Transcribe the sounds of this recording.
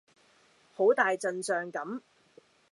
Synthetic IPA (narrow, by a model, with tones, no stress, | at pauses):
ho˨˥wt̪aː˨jt͡sɐ˧nsœː˨ŋkɐ˨˥m